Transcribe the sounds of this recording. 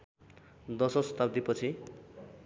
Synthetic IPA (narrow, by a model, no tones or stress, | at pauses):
d̪ʌsʌst̪abd̪ipʌt͡sʰi